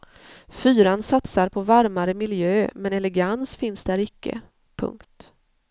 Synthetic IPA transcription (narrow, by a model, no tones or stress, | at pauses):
fyːɾansat̪saɾpʰɔvaɾmaɾəmɪljøːmɛnɛlɛɡansfɪnsd̪æɾɪkːə̰ | pʰɵ̰ŋkt̪